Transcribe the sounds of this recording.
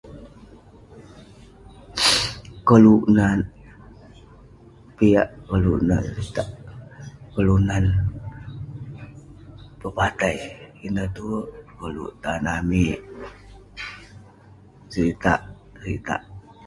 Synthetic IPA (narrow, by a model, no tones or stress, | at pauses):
kəluʔnan | piaʔkəluʔnaɾit̪aʔ | kəlunan | pəpat̪ajinəht̪uəkəlṵʔt̪anamiʔ | sit̪a̰ʔ | sɾit̪a̰ʔ